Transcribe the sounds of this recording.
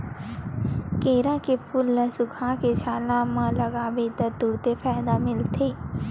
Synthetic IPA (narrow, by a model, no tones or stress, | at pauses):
keːɾãkepʰʊlːəsʊkʰaket͡ʃʰaːlãmãlɐɡaːbet̪ət̪ʊɾt̪efaːɪd̪amɪlt̪ʰeː